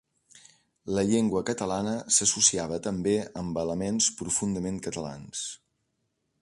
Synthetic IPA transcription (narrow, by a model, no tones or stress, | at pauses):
ləʎeŋɡwəkət̪əlanəsəsusiaβ̞ət̪əmbeəmbələmenspɾufund̪əmeŋkət̪əla̰ns